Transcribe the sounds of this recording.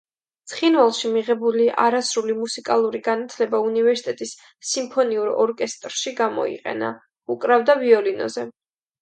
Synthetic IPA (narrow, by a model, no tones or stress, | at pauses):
t̪sʰχinvalˠʃimiʁɛbuliʔa̰ɾasɾulimusikʼalˠuɾiɡanat̪ʰlɛbaunivɛɾsit̪ʼɛt̪ʼisː | impʰɔniuɾɔ̰ɾkʼɛst̪ʼɾʃiɡamɔ̰ḭqʼɛ̰na̰ | ukʼɾavd̪aviɔlinɔ̰zɛ